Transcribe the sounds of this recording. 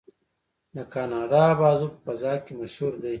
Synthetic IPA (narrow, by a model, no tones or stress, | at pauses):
d̪əkɑːnɑːɖɑbɑːzupəfɐzɑːkemaʃhuɾd̪aj